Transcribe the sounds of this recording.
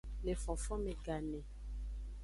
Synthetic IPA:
le˨fɔ̃˨fɔ̃˦me˨ɡa˨nɛ̃˨

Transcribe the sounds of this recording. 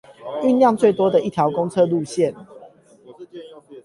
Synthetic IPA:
y˥˧˨nljɑ˥˨ŋt͡swe˥˨ɪt̪wɔ˦d̪ə˨i˥˩t̪ʰjɑ˨˦ʊkɔ˦ŋt͡sʰɤ˥˧lu˥˨ɕjɛ˥˨n

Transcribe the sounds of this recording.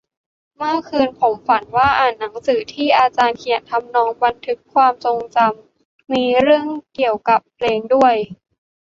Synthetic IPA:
mɯ˥˩kʰɯː˧npʰo˩˦mfa˩˦nwaː˥˩ʔaː˨˩nːa˩˦ŋsɯː˩˦t̪ʰiː˥˩ʔaː˧t͡ɕaː˧nkʰi˨˩ənt̪ʰa˧mnɔː˧ŋba˧nt̪ʰɯ˦˥kʰːwaː˧mso˧ŋt͡ɕa˧mː | iː˧ɾɯ˥˩əŋki˨˩əwka˨˩pʰleː˧ŋdu˥˩əj

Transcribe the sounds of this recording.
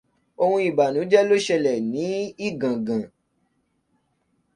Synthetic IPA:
o˧hũ˧i˨ba˨nũ˨˦d͡ʒɛ˦lo˦ʃɛ˧lɛ˨nĩ˨˦i˦˨ɡã˨ɡã˨

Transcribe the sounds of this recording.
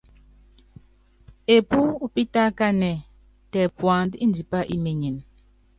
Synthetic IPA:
e˨pu˦u˦pi˦ta˦ka˦nɛ˨ | tɛ˨pwa˨n˦di˦n˨di˨pa˦ʔi˦me˨ɲi˨n

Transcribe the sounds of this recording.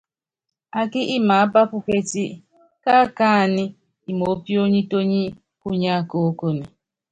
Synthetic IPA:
a˨kɪ˦ʔɪ˦ma˨a˦ba˦pʊ˦ke˦ti˦ | ka˦ka˦˨nɪ˦ | i˨mo˨˦pi˦o˦ɲi˦to˦ɲi˦ | ku˦ɲa˦ko˦o˦ko˦ne˨

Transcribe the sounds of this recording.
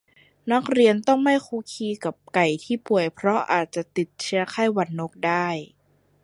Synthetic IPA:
na˦˥k̚ɾi˧ənt̪ɔ˥˩ŋma˥˩jkʰuː˧˥kʰiː˧ka˨˩p̚ka˨˩jt̪ʰiː˥˩pu˨˩əjpʰɾɔ˦˥ʔaː˨˩t̪̚t͡ɕa˨˩t̪i˨˩t̪̚t͡ɕʰi˧˥ɐkʰaː˥˩jwa˧˥nːo˦˥k̚daː˥˩j

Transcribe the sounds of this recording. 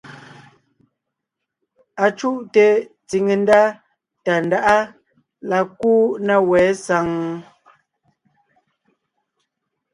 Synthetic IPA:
a˨t͡ʃu˦ʔte˨t͡si˨ŋe˨n˦da˦ | ta˨n˨da˦ʔa˦ | la˨kuː˦na˦˨wɛ˨˦sa˨˦ŋ

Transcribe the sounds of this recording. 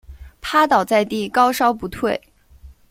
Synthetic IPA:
pʰa˥t̪ɑ˨˩ʊt͡sa˥˧ɪt̪i˥˩kɑ˥ʊʂɑ˥ʊpu˧˥t̪ʰwe˥˩ɪ

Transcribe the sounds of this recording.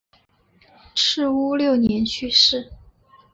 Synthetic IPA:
ʈ͡ʂʰɻ̩˥˧u˥ljo˥˩ʊnjɛ˧˥nt͡ɕʰy˥˧ʂɻ̩˥˩

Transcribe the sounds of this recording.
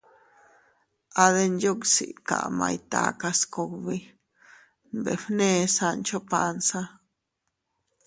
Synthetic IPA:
a˧ðe˧nd͡ʒo˦ksḭ˨ʔka̰˨ʔmã˧jt̪a˧ka˧sko˧kβi˦ | nbḛ˨ɸnẽ˧sa˧nt͡ʃo˦pansa˦

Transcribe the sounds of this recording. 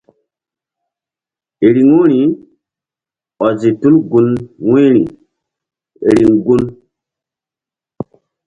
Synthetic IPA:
e˨ɾi˨ŋu˦ɾi˨ | ɔ˨zi˨tu˦lɡu˦nwĩ˦ɾḭ˨ | ḛ˨ɾi˨ŋɡu˦n

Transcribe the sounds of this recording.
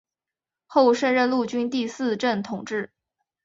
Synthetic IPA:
xo˥˧ʊʂə˥˧nɻə˥˧nlu˥˩t͡ɕy˥nt̪i˥˧sɹ̩˥˧ʈ͡ʂə˥˩nt̪ʰʊ˨˩ŋʈ͡ʂɻ̩˥˩

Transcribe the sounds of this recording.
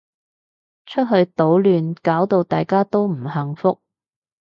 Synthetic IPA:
t͡ʃʰɵ˥t̚ɦɵ˧ɥt̪o˨˥wlyː˨nkaː˨˥wt̪o˨˧wt̪aː˨jkaː˥t̪o˥wm̩˨˩hɐ˨ŋfʊ˥k̚

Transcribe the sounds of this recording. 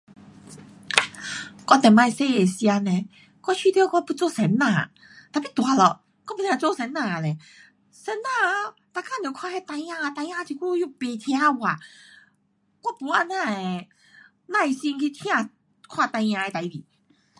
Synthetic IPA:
kɔ˧˩t̪ɛ˨˩mã˧˩jse˧˨e˨˩sja˧nẽ˨˧ | kɔ˥˧t͡ɕʰi˧t̪jo˧kɔ˥˧pu˧˦t͡so˧˨sɛ˨˦nːã˧˨ | t̪a˨pi˦˧t̪wa˨˦lɔ˨ | kɔ˥˦pu˧t̪ʰjã˧t͡so˥˧˨sɛ˨˦nːã˨nẽ˨ | sɛ˨˦nːã˧˨ | t̪a˨˧kã˧˨nẽ˨˩˦kʰwa˥˧hɛ˧˨t̪ã˧jã˧a˧t̪a˧jã˧t̪ʰi˧ku˦˧ju˥˧˨pe˧t̪ʰj̃ã˧˦wa˨ | kwa˦˧˨pu˧˦a˧nã˧˨e˨ | nã˧e˧˩si˧ŋkʰi˧t̪ʰj̃ã˥˧ | kʰwa˥˧˨t̪ã˧jã˧e˧t̪a˨i˧bi˨˦

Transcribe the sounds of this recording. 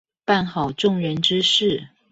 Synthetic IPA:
pa˥˩nxɑ˨˩ʊʈ͡ʂʊ˥˩ŋɻə˧˥nʈ͡ʂɻ̩˥ʂɻ̩˥˩

